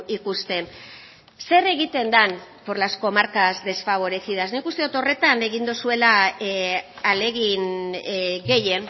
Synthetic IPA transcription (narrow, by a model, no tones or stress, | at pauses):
ikust̪e̞n | se̞re̞ɣit̪e̞nd̪anpo̞ɾlasko̞maɾkazd̪e̞sfaβ̞o̞ɾe̞sið̞asnikust̪eut̪o̞re̞t̪ane̞ɣind̪usue̞la | ale̞ɣin | ɣe̞je̞n